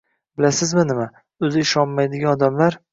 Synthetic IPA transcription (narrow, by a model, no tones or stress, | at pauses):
bɪlasɪzmɪnɪma | ɵzɪɪʃɒnmajd̪ɪɡʲanɒd̪amlaɾ